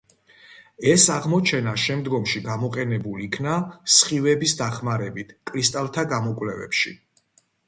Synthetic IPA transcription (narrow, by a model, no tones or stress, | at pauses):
ɛsaʁmɔt͡ʃʰɛnaʃɛmd̪ɡɔmʃiɡamɔqʼɛnɛbuliːkʰnasχivɛbisd̪aχmaɾɛbit̪ʰkʼɾist̪ʼalˠt̪ʰaɡamɔkʼwlɛvɛ̰pʃi